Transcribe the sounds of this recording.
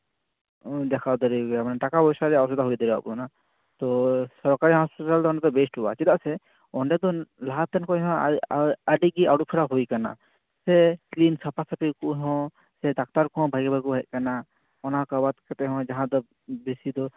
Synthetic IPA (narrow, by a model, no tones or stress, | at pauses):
d̪ɛkʰad̪ɔɾiɡamanaʈakabɔjsaɾɛawsɔd̪aɦujd̪ɔɾiba̰ʔbuna | t̪ɔsɔɾkaɾiɦɔspɛʈald̪ɔɔ̃ɖɛd̪ɔbesʈuba̰t͡ʃid̪aʔsɛ | ɔɳɖɛd̪ɔlaɦat̪ɛnkɔɦɔ̃ | aɖiɡiawʈ̚pʰiɾaɦujkana̰ | sɛklinsapasapikuʔɦɔ̃ | sɛd̪ak̚t̪aɾkɔɔ̃bʱaɡbakuʔɦɛʔ̚kana | ɔnakabat̪kɛt̪ɛɦɔ̃d͡ʒaɦãd̪ɔ | besid̪ɔ